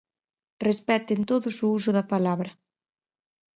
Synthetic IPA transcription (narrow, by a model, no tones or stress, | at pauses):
respɛt̪ent̪oðuzuuzuðapalaβɾɐ